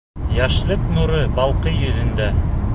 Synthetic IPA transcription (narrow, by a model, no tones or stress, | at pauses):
jɑʃlˠɤknuɾɤbɑlˠqɤjɵ̆ðɘ̆nd̪æ